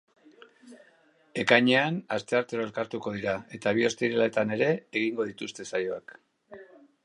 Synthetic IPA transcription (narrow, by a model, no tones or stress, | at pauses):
e̞kajɲe̞anast̪e̞aɾt̪e̞ɾo̞e̞lkaɾt̪uko̞ð̞iɾae̞t̪aβ̞io̞st̪iɾelaet̪ane̞ɾe̞ːɣ̞iŋɡo̞ð̞it̪ust̪e̞sajo̞ak